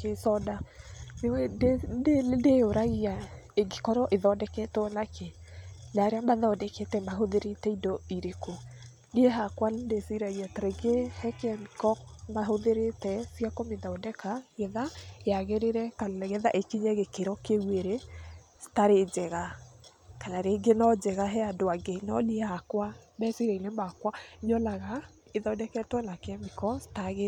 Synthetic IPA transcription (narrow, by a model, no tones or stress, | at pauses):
kesɔdanewɛdededeoɾaɣiaeɡikɔɾɔʔeðɔdɛkɛtɔnakʰe | naɾeambaðɔɔdɛkɛtɛmaɦoðeɾetɛidɔiɾeko | nieɦakwaldesiɾaiatɾɛɡehɛkɛnkɔkmaɦoðeɾetɛsjakomeðaodɛkaɣɛðaeaɣeɾeɾɛkaɣɛðaʔekiɲɛɣekeɾɔkeweɾe | staɾed͡ʑɛɣa | kanaɾeɡenɔd͡ʒɛɣaɦɛadoaɡenɔniehakwabɛsiɾailɛmakwaɲɔlaɣa | eðaodɛkɛtwɛnakamikɔstaɣe